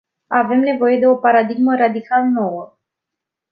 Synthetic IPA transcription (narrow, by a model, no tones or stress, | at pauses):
ave̞mne̞vo̞je̞d̪e̞o̞paɾad̪iɡməɾad̪ikʰalno̞wə